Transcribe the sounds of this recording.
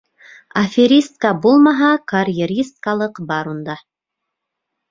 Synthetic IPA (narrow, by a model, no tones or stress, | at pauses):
ɐfʲeɾʲist̪kabulˠmɑɦɑkarʲjeɾʲist̪̚kalˠɤqbɑɾund̪ɑ